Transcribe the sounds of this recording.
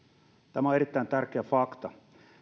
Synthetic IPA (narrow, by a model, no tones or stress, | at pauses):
t̪æmæoeɾit̪ːæint̪ærkeæfɑkt̪ɑ